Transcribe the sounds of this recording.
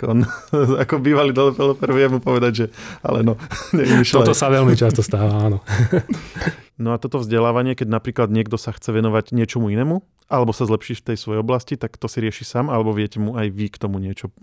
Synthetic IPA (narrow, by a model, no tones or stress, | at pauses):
kɔnakɔbiːʋalid̪ɔlɛpɛlɛpɛɾʋjɛmupɔʋɛd̪aɟʒɛa̰lɛnɔɲɛimiʃlɔat̪ɔsaʋɛlmit͡ʃast̪ɔst̪aːʋaaːnɔ | nɔat̪ɔt̪ɔvzɟɛlaːʋaɲɪɛkɛɟnapɾiːklad̪ɲɪɛɡd̪ɔsaxt͡sɛʋɛnɔʋaɟɲɪɛt͡ʃɔmuinɛːmu | ʔalɛbɔsazlɛpʃiːft̪ɛjsʋɔjɛjɔblascit̪akt̪ɔsiɾɪɛʃisaːmalɛbɔʋɪɛcɛmuajʋikt̪ɔmuɲɪɛt͡ʃɔ